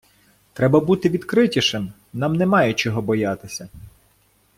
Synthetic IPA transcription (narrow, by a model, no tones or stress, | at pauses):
t̪ɾɛbɐbut̪ɪʋʲid̪kɾɪtʲiʃɪm | nɑmnɛmɑjɛt͡ʃɔɦɔbɔjɑt̪ɪsʲɐ